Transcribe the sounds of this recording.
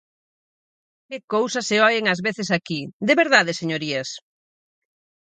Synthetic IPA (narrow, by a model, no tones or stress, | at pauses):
kɪkowsɐseɔʎeŋɐzβeθɪsakid̪eβeɾðaðeseɲoɾiɐs